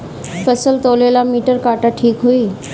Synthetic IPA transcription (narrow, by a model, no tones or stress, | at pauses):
fəsəlt̪oːlelamiːʈəɾkaːʈaʈʰiːkɦuiː